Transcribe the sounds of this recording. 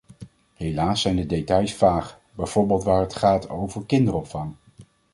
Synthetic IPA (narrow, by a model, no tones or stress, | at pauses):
ɦejlaːsɛjndədejtɑjsfaːχ | bɛjv̥ɔɹbɪːlˠtʋaːɹɦətχaːtʰo̰wvəɹkɪndəɾɔpfɑŋ